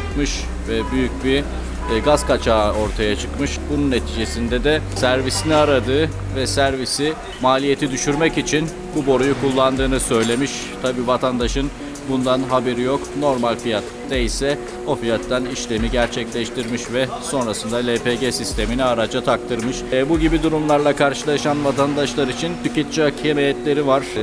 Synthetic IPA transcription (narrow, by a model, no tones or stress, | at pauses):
mɯʃ | vɛbyjyc̚bi | ɡazkat͡ʃʰaːo̞ɾt̪ʰajat͡ʃʰɯkmɯʃbununːe̞t̪ʰiːd͡ʒe̞sind̪ɛd̪ɛsæɾvisiniaɾad̪ɯː | vɛsæɾvisi | maːlʲije̞t̪ʰid̪yʃyɾmɛcit͡ʃʰin | bubo̞ɾujukʰulˠːand̪ɯːnɯsø̞jlʲe̞miʃ | t̪ʰabiːvat̪ʰand̪aʃɯn | bund̪anɦabeɾijokno̞ɾmalʲfijat̪ːeisɛ | o̞fijat̪ːaniʃlʲemiɟæɾt͡ʃʰɛclʲɛʃt̪ʰiɾmiʃvɛso̞nɾasɯnd̪alʲepeɟesist̪ʰe̞miniaɾad͡ʒat̪ʰak̚t̪ʰɯɾmɯʃbuɟibid̪uɾumlˠaɾlˠakʰaɾʃɯlˠaʃanvat̪ʰand̪aʃlˠaɾit͡ʃʰint̪ʰicɛt̪̚t͡ʃacʰemejɛt̪lʲe̞ɾivaɾ̥